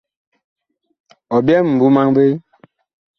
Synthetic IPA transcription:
ɔ˨bjɛ˦m̩˨bu˨˦ma˦ŋbe˦

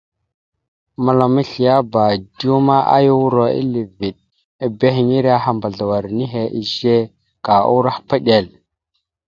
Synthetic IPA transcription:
ma˨la˨mi˦ɬi˨ja˦ba˨du˦ma˦ʔa̰˦ju˦wu˦ɾo˨ḭ˦li˨vi˨t̚ | a˨be˦ɦi˨ɲi˦ɾa˦ɦa˨mba˨ɮa˨wa˨ɾni˦ɦe˨ʔi˦˨ʒe˦ | ka˨ṵ˦ɾa˦hpa˦ɗe˨l

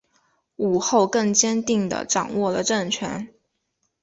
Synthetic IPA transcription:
u˨˩xo˥˧ʊkɤ˥˩ŋt͡ɕjɛ˥nt̪i˥˩ŋd̪ə̰˩ʈ͡ʂɑ˨˩ŋwɔ˥˩lə˩ʈ͡ʂə˥˩ŋt͡ɕʰɥɛ̰˧˥n

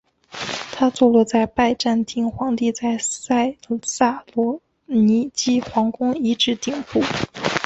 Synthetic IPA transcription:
t̪ʰa˥t͡swɔ˥˧lɔ˥˧t͡sa˥˧ɪpa˥˧ɪʈ͡ʂa˥˧nt̪i˥˩ŋxwɑ˧˥ŋt̪i˥˧t͡sa˥˧ɪsa˥˩ɪsa˥˩lɔ˧˥ | ni˧˥t͡ɕi˥xwɑ˧˥ŋkʊ˥ŋi˧˥ʈ͡ʂɻ̩˥˧t̪i˥˧ŋpu˥˩

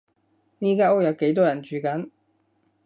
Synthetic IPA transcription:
niː˥kaː˥o˥k̚jɐ˨˧wke˨˥jt̪̬ɔː˥jɐ˨˩nt͡ʃyː˨kɐ˨˥n

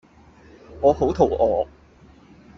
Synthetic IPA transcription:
ŋɔː˨˧ho˨˥wt̪ʰo˨˩wʔɔː˨˧˥

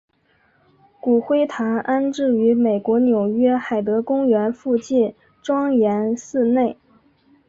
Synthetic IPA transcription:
ku˨˩xwe˥ɪt̪ʰa˧˥nʔa˥nʈ͡ʂɻ̩˥˩y˧˥me˨˩ɪkwɔ˧˥njo˨˩ʊɥɛ˥xa˨˩ɪt̪ɤ˧˥kʊ˥ŋɥɛ˧˥nfu˥˧t͡ɕi˥˩n | ʈ͡ʂwɑ˥ŋjɛ˧˥nsɹ̩˥˧ne˥˩ɪ

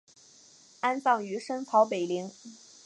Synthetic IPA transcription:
a˥nsɑ˥˩ŋy˧˥ʂə˥nt͡sʰɑ˧˥ʊpe˨˩ɪli˧˥ŋ

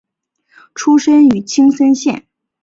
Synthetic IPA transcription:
ʈ͡ʂʰu˥ʂə˥ny˨˩t͡ɕʰi˥ŋsə˥nɕjɛ̰˥˩n

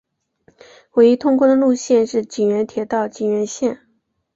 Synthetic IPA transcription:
we˧˥ɪi˥t̪ʰʊ˥ŋkwɔ˥˩d̪ə˩lu˥˧ɕjɛ˥˧nʂɻ̩˥˩t͡ɕi˨˩nɥɛ˧˥nt̪ʰjɛ˧˥t̪ɑ˥˩ʊt͡ɕi˨˩nɥɛ˧˥nɕjɛ˥˩n

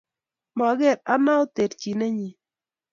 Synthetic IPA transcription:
ma˨ɡɛ˦˨ɾa˦na˦o˦t̪e˨dki˨ne˦ɲi˨

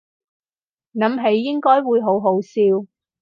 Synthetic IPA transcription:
nɐ˨˥mɦe˨˥jːɪ˥ŋkɔː˥jwuː˨˧jɦo˨˥wɦo˨˥wsiː˧w

